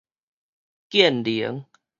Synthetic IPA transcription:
kjɛ˥˨ndi˨˩ə˦ŋ

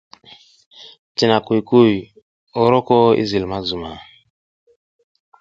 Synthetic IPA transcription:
ti˨na˨ku˨jku˦˨j | o˦ɾɔ˦kɔ˦ḭ˦zi˨lma˦zu˨ma˨

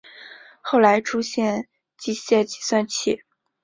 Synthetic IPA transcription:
xo˥˩ʊla˧˥ɪʈ͡ʂʰu˥ɕjɛ˥˧n | t͡ɕi˥˧ɕjɛ˥˩t͡ɕi̥˨˩swa˥˧nt͡ɕʰi˥˩˦

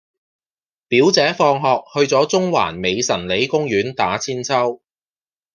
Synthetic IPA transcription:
piː˨˥wt͡sɛː˨˥fɔː˧ŋɦɔː˧k̚hɵ˧ɥt͡sɔː˨˥t͡sʊ˥ŋwa̰ː˨˩nme˨˧jsɐ˨˩nle˨˥jkʊ˥ŋjyː˨˥nt̪aː˨˥t͡sʰiː˥nt͡sʰɐ˥w

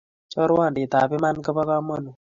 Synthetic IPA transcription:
t͡ʃɔ˦ɾwa˦˨ndi˨ta˨pɪ˦ma˦nkɔ˦bɔ˦ka˦mɔ˦nu˨

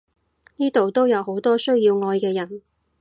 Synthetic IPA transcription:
niː˥t̪o˨wt̪o˥wjɐ˨˧wɦo˨˥wt̪ɔː˥sɵ˥ɥjiː˧wŋɔː˧jkɛː˧jɐ˨˩n

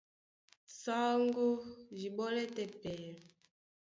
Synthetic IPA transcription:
sa˦ŋɡo˦ʒi˨ɓɔ˦lɛ˦tɛ˨pɛ˨

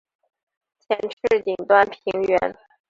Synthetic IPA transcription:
t͡ɕʰjɛ˧˥nʈ͡ʂʰɻ̩˥˩t̪i˨˩ŋt̪wa˥npʰi˧˥ŋɥɛ˧˥n

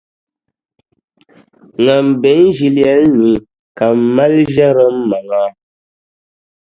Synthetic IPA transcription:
ŋa˨m˨be˨˦n˦ʒi˦li˦a˦n̩˦nu˨ | ka˨mma˦lʒa˦ɾə˦m̩ː˦a˨ŋa˦

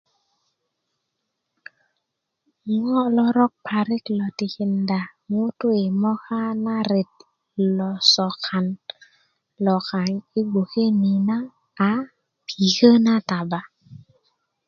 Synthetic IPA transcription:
ŋɔ˦lɔ˦ɾɔ˦k̚pʰa˨ɾɪ˦klɔ˨tɪ˨kɪ˨nda˨mu˦tʊ˦ɪ˨mɔ˦ka˦na˦ɾɪ˨t̪̚ | lɔ˨sɔ˨kʰa˨n | lɔ˨ka˨ɲi˦ɡo˨ke˦ni˨naː˦˨ | pʰi˨kə˦na˦ta˨ba˨

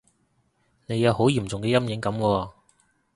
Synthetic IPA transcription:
ne˨˧jɐ˨˧who˨˥wjiː˨˩mt͡sʊ˨ŋkɛː˧jɐ˥mjɪ˨˧˥ŋkɐ˨˧˥mwɔː˧

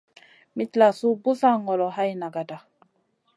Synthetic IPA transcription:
mi˦tla˨su˦bu˦sa˦ŋɔ˨lɔ˨ɦa˦jna˨ɡa˨da˨

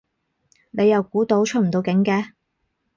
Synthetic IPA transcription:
ne˨˧jːɐ˨wkuː˨˥t̪o˨˥wt͡ʃʰɵ˥t̚m̩˨˩t̪o˧wkɪ˨˥ŋkɛː˧

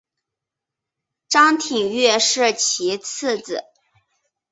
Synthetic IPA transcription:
ʈ͡ʂɑ˥ŋt̪ʰi˨˩ŋɥɛ˥˧ʂɻ̩˥˩t͡ɕʰi˧˥t͡s̩ʰ˥˩d͡zɹ̩˨˩˦

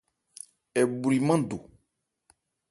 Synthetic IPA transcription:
ɛ˨bu˨ɾi˨mã˦do˨

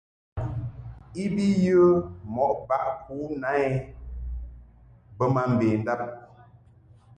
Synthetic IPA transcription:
i˦bi˦jə˦mɔ˨ʔba˦˨ʔkʰu˨˦na˨˦ɛ˦ | bə˦ma˨m̩˨beː˨n̩˨da˦˨p̚

